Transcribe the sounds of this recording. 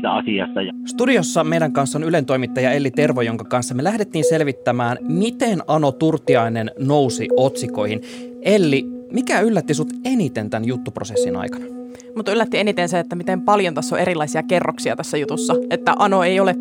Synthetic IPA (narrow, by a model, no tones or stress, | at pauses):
t̪æ̰ɑsiɑ̰st̪ɑjst̪udio̞sːɑme̞jdæŋkɑnsːonyle̞nt̪oimit̪ːɑjɑe̞lːit̪e̞rʋojo̞ŋkɑkɑnsːɑmelæhdet̪ːiːnse̞lʋit̪ːæmæːnmit̪e̞nɑno̞t̪urt̪ːˑiɑine̞nno̞wsḭo̞t̪siko̞jhin | e̞lːimikæylːæt̪ːisut̪e̞nit̪e̞nt̪ænjut̪ːupro̞sesːinɑ̰jkɑnɑ | mut̪ylːæt̪ːie̞nit̪enseet̪ːæmit̪empɑljont̪æsːoʔeɾilːˑɑisiɑke̞rːoksiɑ̰t̪æsːæjut̪usːɑet̪ːæʔɑno̞ejo̞le